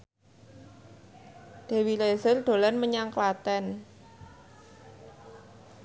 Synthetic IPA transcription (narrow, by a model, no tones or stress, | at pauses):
d̪̥e̤wilezərd̪̥o̤lanməɲaŋklat̪ɛn